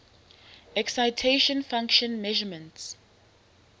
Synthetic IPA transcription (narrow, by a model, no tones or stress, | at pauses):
ɛksajtʰeʃɔ̃nfãŋkʃɔ̃nmɛʒəmə̃nts